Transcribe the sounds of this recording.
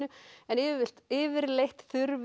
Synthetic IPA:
ʏɛnɪːvɪvɪl̥t̪ɪːvɪɾlejht̪θʏɾv

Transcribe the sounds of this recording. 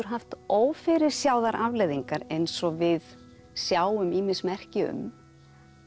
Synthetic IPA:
ʏɾ̥ɦaft̪oːwfɪɾɪɾ̥sjaːwðaɾʔavlejðiŋkaɾejnsɔvɪð | sjaːwʏmiːmɪsmɛr̥cɪʏ̰m

